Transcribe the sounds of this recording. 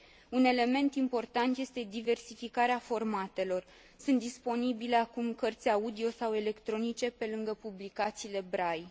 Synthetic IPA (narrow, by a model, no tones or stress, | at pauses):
une̞le̞me̞nt̪impo̞rt̪ant̪je̞st̪e̞d̪ive̞rsifikaɾeafo̞rmat̪e̞lo̞r | sunt̪d̪ispo̞nibile̞akumkərt̪sʲaud̪io̞sawe̞le̞kt̪ɾo̞nit͡ʃe̞pe̞lɨŋɡəpublikat̪siːle̞bɾaj